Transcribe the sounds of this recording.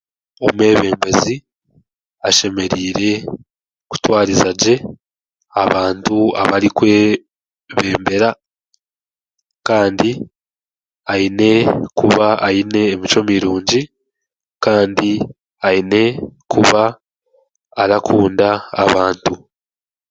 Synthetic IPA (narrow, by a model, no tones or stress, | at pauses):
o̞̰me̞ːβe̞ːmbe̞zi | aʃe̞me̞ɾiːɾe̞ | ku̥twaːɾizaɟe̞ | aβaːntua̰βaɾikwe̞ː | βe̞ːmbe̞ɾa | kaːndi | aine̞kuβaːine̞ːmit͡ʃo̞miɾuːɲɟi | kaːndi | aine̞kʰuβa | ɾakʰuːnda̰ːβaːntu